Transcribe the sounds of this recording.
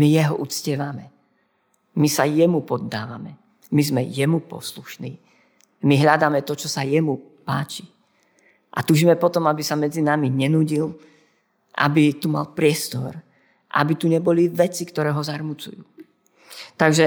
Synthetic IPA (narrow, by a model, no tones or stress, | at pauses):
mijɛɦɔʔut͡scɪɛʋamɛ | misajɛmupɔd̪ːa̰ːʋamɛ | mizmɛjɛmupɔ̰sluʃniː | miɦʎad̪aːmɛt̪ɔt͡ʃɔsajɛmu | paːt͡ʃi̥ | ʔa̰t̪uːʒimɛpɔt̪ɔmabisamɛd͡zinamiɲɛnuːɟil | ʔa̰bit̪uma̰lpɾɪɛst̪ɔ̰ɾ | ʔa̰bit̪uɲɛbɔliʋɛt͡sikt̪ɔɾɛːɦɔzaɾmut͡sṵjuː | t̪aɡʒɛ